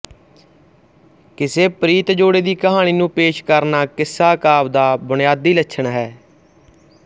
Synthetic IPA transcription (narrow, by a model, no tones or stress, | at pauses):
kɪseːpɾiːt̪d͡ʒoːɽeːd̪iːkəɦaːɽ̃iːnũːpeːʃkəɾnaːkɪsːaːkaːʋd̪aːbʊɳɪjaːd̪iːləʃʰəɳɦɛː